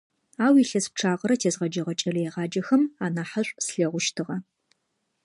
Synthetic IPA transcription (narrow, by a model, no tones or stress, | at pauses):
aːwiɬɐsp̚ʈ͡ʂʰaːʁɐɾɐtʰeːzʁɐd͡ʒɐʁɐt͡ʃʼɐrɐjɛʁɑːd͡ʒɐxɐmaːnaːħɐɕʷʼsɬɐʁʷʊʃtʰɨʁɐ